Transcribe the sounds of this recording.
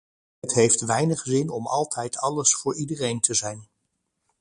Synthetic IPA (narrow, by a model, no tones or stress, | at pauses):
ətɦejftʋɛjnəχzɪnɔmɑ̰lˠtʰɛjtʰɑləsfʊːɹidərejntəzɛjn